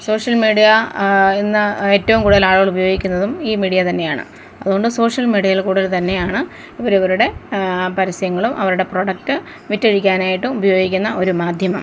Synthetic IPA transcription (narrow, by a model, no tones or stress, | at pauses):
so̞ːʂɐlmiːɽijɐenːɨe̞ːtːɐʋumkuːɽuðɐlaːɭuɣɐɭubɐjo̞ːɡikʲːunːɐðumiːmiːɽijɐt̪ɐnːe̞jaːɳɨ̰ | ɐðuɣo̞ɳɖɨso̞ːʂjɐlmiːɽijɐjilkuːɽuðɐlt̪ɐnːe̞jaːɳɨ | iʋɐɾuʋɐɾuɽe̞pɐɾisɐjɐŋːɐɭumʔɐʋɐɾuɽe̞pro̞ːɽɐk̚ʈɨ | ʋitːeɻikʲːaːnaːjiʈːumubɐjo̞ːɡikʲːunːɐʔo̞ɾumaːd̪ʱjɐmɐm